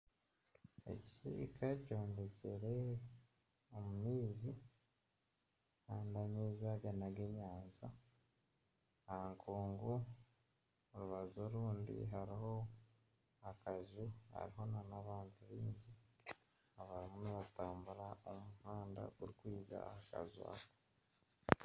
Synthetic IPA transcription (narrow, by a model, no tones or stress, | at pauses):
e̞̰ci̥cḭːkʰaco̞ːɲdeceɾe | omumiːzi | haːndaɲizaɡenaɡeɲaːnza | aŋkʰuːŋɡu | oɾuβazo̞ɾuːndḭɦaɾiɦo̞ | akaʒiha̰ɾiɦo̞nanaβaːntuβiːɲɟi | aβaɾimuniβataːmbuɾaomuhaːnda̰kuɾikwiːza̰haka̰zwa̰ːβo